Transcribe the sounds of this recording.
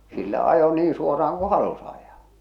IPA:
silːæ ɑjo niːn suorɑɑŋ ku hɑlus ɑjɑː

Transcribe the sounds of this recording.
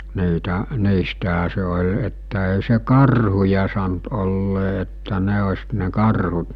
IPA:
niːtæ niːstæɦæ se olʲ etːæ ei se kɑrhujɑ sɑnt olːeː etːæ ne osʲ ne kɑrhut

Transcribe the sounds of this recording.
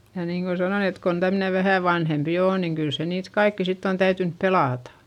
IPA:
jɑ niːŋko sɑnon et kon tæmne ʋæhæˑ ʋɑnhempi oː niŋ kyl se niːt kɑikːi sitː on tæytynp pelɑˑtɑ̥

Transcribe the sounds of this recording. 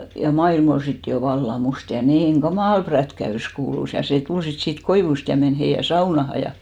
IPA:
jɑ mɑilm ol sit jo ʋɑlːɑ must jɑ niːŋ ɡ̊ɑmɑˑl prætkæys kuːlus jɑ seˑ tul sit siːt koiʋust jɑ men heijæ sɑunɑhɑ jɑ

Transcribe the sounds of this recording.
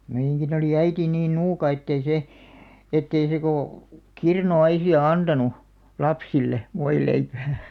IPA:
meij̆æŋkin oliˑ æiti niːn nuːkɑ etːei se etːei se koˑ kirnuɑisiɑ ɑntɑnu lɑpsilːe ʋoileipæː

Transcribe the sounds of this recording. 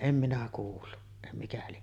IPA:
em minæ kuːlːu ĕtːæ mikæ lie

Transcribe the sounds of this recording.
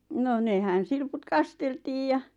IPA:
noˑ nehæn silput kɑsteltiːj jɑ

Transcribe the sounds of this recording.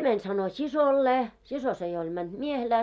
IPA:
mænʲ sɑno sisolːeː siso se jo olʲ mænd̥ miehelæː

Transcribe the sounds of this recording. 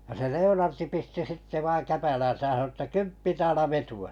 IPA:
jɑ se leonɑrti pisti sitːe ʋɑiŋ kæpælæn̞sæj jæ sɑno ə̆tːæ kympːi tæːlæ ʋetuɑ

